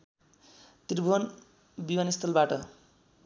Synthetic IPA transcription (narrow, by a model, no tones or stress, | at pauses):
t̪irbʱuɦʌn | biwanist̪ʰʌlbaʈʌ